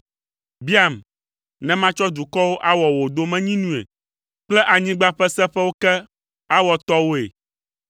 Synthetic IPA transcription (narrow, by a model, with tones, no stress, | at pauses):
bi˦a˨m | nɛ̃˦mã˦t͡ʃɔ˦d̪u˨kɔ˦wo˦ʔa˦wɔ˨wo˨d̪o˦mɛ̃˦ɲĩ˦nũ˦ḛ˨ | k͡plɛ˦ʔa˨ɲĩ˦ɡ͡ba˦ɸɛ˦sɛ̃˦ɸɛ˦wo˦kɛ˦ | a˦wɔ˨t̪ɔ˦wo˦ḛ˨